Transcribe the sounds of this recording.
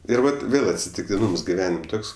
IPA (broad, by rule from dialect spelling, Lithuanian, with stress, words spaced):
ˈɪr ˈʋɐt ˈʋʲeːlˠ ɐtʲsʲɪtʲɪktʲɪˈnuːms ɡʲɪˈʋʲæːnʲɪmʲ ˈtoːks